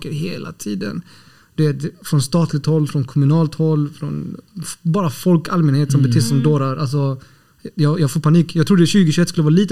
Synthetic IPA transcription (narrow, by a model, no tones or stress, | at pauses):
kəɾɦḛːlʔa̰t̪ʰiːd̪ə̰n | d̪̥ɛt̪fɾɔnst̪ɑːt̪ʰlɪɡ̚t̪hɔlːfɾɔnkʰɔmɵnɑːlt̪hɔlːfɾɔ̰nbɑːɾafɔlkalmɛnheːt̪sɔmbɛt̪ʰɪssɔmd̪oːɾaɾʔals̬ɔ | jɑjɑɡfoːɾpʰaniːkjɑɡ̚t̪ɾuːd̪əɛɕʉːɡəɕʉɛt̪skɵlːəvɑɾaliːt̪